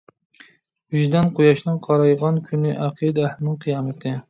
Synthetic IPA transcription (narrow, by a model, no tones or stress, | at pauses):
yʒd̪ɛnqʰojɑʃnɨŋqʰɑɾɑjʁɑnkʲʰynɪʔæqʰɨd̪æhlɪnɪŋqʰɨjɑːmɛt̪ʰɪ